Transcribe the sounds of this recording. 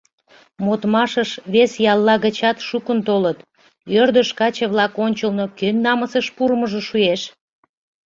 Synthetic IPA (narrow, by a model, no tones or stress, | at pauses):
mot̪mɑʃəʃβesjɑlːɑɣət͡ɕɑt̪ʃukənt̪olət̪ | ørd̪əʃkɑt͡ɕəβlɑkonʲt͡ɕəlnokønːɑməsəʃpuɾməʒəʃujeʃ